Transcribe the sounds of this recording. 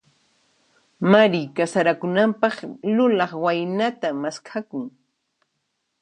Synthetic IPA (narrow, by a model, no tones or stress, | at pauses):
maɾikasaɾakʊnampɑχlʊlɑχwajnat̪amaskʰakʊŋ